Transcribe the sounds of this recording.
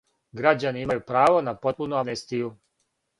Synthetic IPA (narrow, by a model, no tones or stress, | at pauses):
ɡɾad͡ʑaniimajupɾaːʋo̞napo̞t̪̚punuanest̪iju